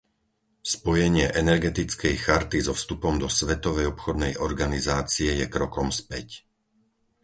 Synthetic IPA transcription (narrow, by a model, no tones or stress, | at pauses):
spɔjɛɲɪɛʔɛnɛɾɡɛt̪it͡skɛjxaɾt̪izɔfst̪upɔmd̪ɔsʋɛt̪ɔʋɛjɔpxɔd̪nɛjʔɔɾɡanizaːt͡siɛjɛkɾɔkɔmspɛc